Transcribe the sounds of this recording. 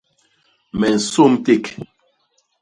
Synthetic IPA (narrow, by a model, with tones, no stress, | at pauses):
mɛ˨n̩˨so˦mte˦˨k